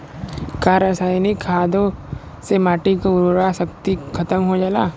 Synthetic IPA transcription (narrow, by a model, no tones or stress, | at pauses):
kaːɾəsaːjnikʰːaːd̪o | semaːʈikoʊɾɾasɐkt̪ikʰɐt̪əmɦod͡ʒalaː